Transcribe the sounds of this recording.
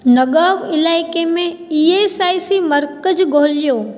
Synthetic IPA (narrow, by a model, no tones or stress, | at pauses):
nɐɠaːʋɪlaːɪkemẽ | ieːsaːisimɐɾkəd͡ʑɡʱoːlijoː